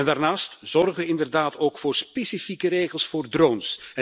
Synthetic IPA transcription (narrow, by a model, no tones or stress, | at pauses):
ɛndaːrnaːstz̥ɔrɣəʋəɪndərdaːtoːkfoːrspesifikəɾejɣəlˠsfoːrdroːnsɛ